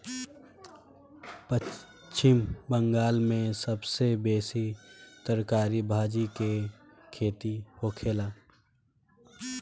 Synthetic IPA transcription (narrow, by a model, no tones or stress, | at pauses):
pə | t͡ʃɪmbə̃ŋɡaːlmẽsəbsebeːsit̪əɾkaːɾibʱaːd͡ʒike | kʰeːt̪ihoːkʰeːlaː